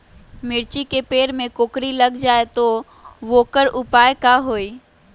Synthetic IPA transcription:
mɪɾt͡ɕikepeːɾmẽkoːkɾilɐɡd͡ʒaːet̪o | ʋoːkəɾʔʊpaːekaɦoːiː

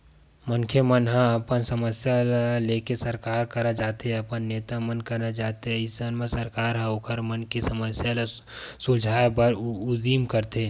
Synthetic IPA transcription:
məŋkʰemənɦə̃əpənsəməsjalalekesəɾkaːɾkəɾad͡ʒaːt̪ɛəpənːeːt̪amənkəɾad͡ʒaːt̪eɪsənmẽsəɾkaːɾɦəokəɾmənkisəməsjala | sʊd͡ʒʱaːebəɾʊd̪iːmkəɾt̪eː

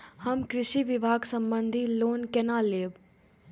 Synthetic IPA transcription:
həmkɾɪʃiʋɪbʱaːɡsə̃mbənd̪ʱiloːnkɛnaːleːb

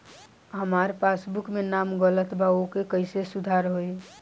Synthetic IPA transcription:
ɦəmaːɾpaːsbʊkmenaːmɡələt̪bʱaokekəɪsesʊd̪ʱaːɾɦoe

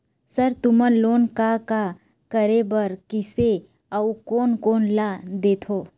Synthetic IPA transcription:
səɾt̪ʊmənloːnkaka | kəɾebəɾkɪse | aukoːnkoːnlad̪eːt̪ʰoː

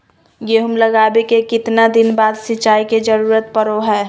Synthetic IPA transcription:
jeɦəmləɡaːbekekɪt̪nad̪ɪnbaːd̪sɪt͡ʃaːiked͡ʒəɾuːɾət̪pəɾoɦɛː

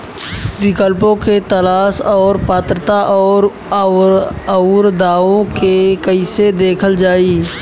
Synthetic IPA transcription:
ʋɪkəlpõket̪ɐlaːsɔːɾpaːt̪ɾət̪aʔɔːɾ | ɾd̪aːʋõkekəɪsed̪eːkʰəld͡ʒaːiː

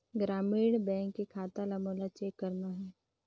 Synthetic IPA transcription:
ɡɾaːmiːɽ̃bɛ̃ːŋkːekʰaːt̪alamoːlat͡ʃeːkːɐɾnaɦɛː

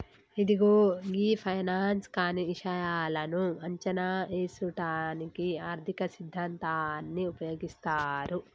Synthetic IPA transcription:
id̪iɡoːɡiːpʰɐjnaːnskaːniiʂɐjaːlɐnuɐɲt͡ʃɐnaːeːsuʈaːnikiaːɾd̪ʱikɐsid̪ʱːɐnt̪aːnːiupɐjo̞ːɡist̪aːɾu

